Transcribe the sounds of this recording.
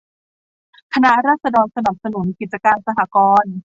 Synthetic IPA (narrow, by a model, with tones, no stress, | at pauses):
kʰa˧na˦˥ɾaː˥˩t̪̚sa˧dɔː˧nsa˧na˨˩p̚sa˧nu˩˦nki˨˩t͡ɕa˧kaː˧nsa˧ɦa˩˦kɔː˧n